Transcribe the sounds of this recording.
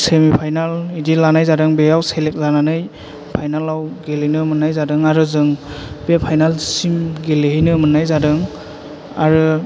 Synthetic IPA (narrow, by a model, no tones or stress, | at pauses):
semipʰajnalidilanajzadɯŋbeawselek̚zananɯj | pʰajnalawɡelenɯmɯnːajzadɯŋaɾɯzɯŋb̥epʰajnalsimɡelehinɯmɯnːajzadɯŋ | aɾɯ